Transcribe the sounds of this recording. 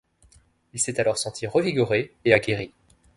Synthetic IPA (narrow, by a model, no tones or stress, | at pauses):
ilsɛt̪alɔʁsɑ̃t̪ʰiʁəviɡuʁeeaɡʲeʁi